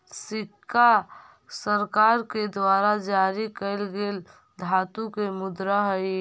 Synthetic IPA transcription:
sɪkʰːa | səɾkaɾked̪waɾad͡ʒaɾikəɪlɡel | d̪ʱat̪ukemʊd̪ɾaɦəj

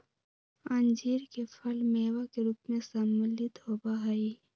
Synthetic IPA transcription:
ənd͡ʒiːɾkepʰɐlmeːwakeɾuːpmẽsəməlit̪ɦoːbaɦai

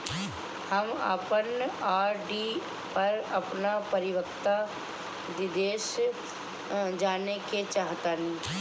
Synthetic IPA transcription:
hɐma̰ːpənaːɾɖi | pɐɾɐpnapɐɾɪʋəkt̪a | d̪ɪd̪eːʃ | d͡ʒaːneket͡ʃaːɦt̪anĩː

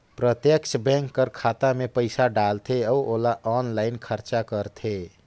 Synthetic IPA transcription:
pɾət̪jəkt͡ʃʰbɛ̃ŋkːəɾkʰat̪amepəɪsaɖalt̪ʰeɔuolaʔɔnlaɪnkʰəɾt͡ʃakəɾt̪ʰe

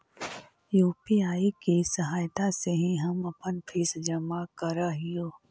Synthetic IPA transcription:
juːpiaːikisɐɦaːjt̪aseɦiɦɐmɐpənpʰiːsd͡ʒɐmakɐɾaɦijoː

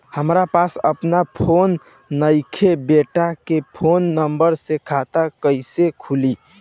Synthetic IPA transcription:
həmɾapasə̰pnapʰonː | əɪkʰebeʈakepʰonːəmbəɾsekʰat̪akəɪsekʰuli

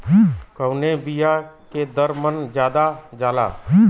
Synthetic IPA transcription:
kəʊnebija | ked̪əɾmənd͡ʒjaːd̪ad͡ʒaːla̰ː

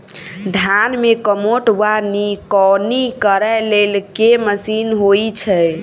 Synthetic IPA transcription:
ɖʱanmekəmoʈʋanikɔnikəɾɛlelkeməsinɦojt͡ʃʰɛ

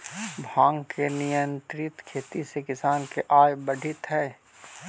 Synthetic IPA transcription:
bʱãːŋɡkʰenɪjə̃nt̪ɾɪt̪kʰeːt̪isekɪsaːnkeʔaːjbɐɖʱɪt̪ɦɛː

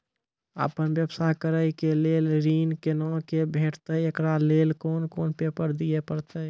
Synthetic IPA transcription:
ə̰pənbjəbsakəɾəjkelelɾiːnkenɔkebʱeʈʰt̪əekɾalelkoːnkoːnpepəɾd̪ijepəɾt̪ə

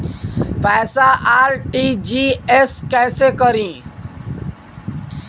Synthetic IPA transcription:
pɛːsaʔaːɾʈiːd͡ʒiːeskɛːsekəɾĩː

